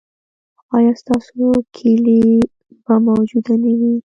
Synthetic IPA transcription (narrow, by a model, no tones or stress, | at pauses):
ɑjɑst̪ɑsokʰeli | bamawd͡ʒud̪anawi